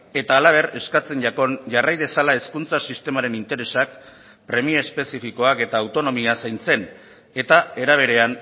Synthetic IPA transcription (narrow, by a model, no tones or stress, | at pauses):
e̞t̪aːlaβ̞e̞re̞skat͡se̞nʎako̞nʝarajð̞e̞salae̞skunt͡sasist̪e̞maɾe̞nint̪e̞ɾe̞sak̚ | pɾe̞mioespe̞sifiko̞ake̞t̪aːwt̪o̞no̞miasajnt͡se̞n | e̞t̪ae̞ɾaβ̞e̞ɾe̞an